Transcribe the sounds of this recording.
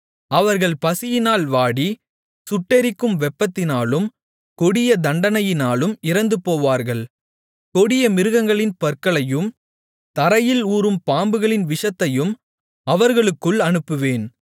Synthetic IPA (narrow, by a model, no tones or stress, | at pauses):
ɐʋɐɾɣɐɭpɐsɪjɪnaːlʋaːɽi | sʊʈːɛɾɪkːɯmʋɛpːɐt̪ːɪnaːlɯm | kɔɽɪjɐd̪ɐɳɖɐnɐjɪnaːlɯmɪɾɐnd̪ɯpoːʋaːɾɣɐɭ | kɔɽɪjɐmɪɾɯɣɐŋɡɐɭɪnpɐɾkɐɭɐjɯm | t̪ɐɾɐjɪluːɾɯmpaːmbɯɣɐɭɪnʋɪʂɐt̪ːɐjɯm | ɐʋɐɾɣɐɭɯkːɯɭɐnɯpːɯʋeːn